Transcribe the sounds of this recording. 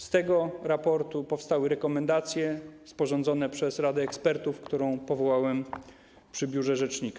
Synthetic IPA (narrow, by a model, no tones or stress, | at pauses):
st̪ɛɡɔɾapɔɾt̪upɔfst̪awɘɾɛkɔmɛnd̪at̪sʲjɛspɔʐɔnd̪zɔnɛpʂɛsɾad̪ɛːkspɛɾt̪ufkt̪uɾɔ̃w̃pɔvɔwawɛm | pʂɘbʲjuʐɛʐɛt͡ʂɲika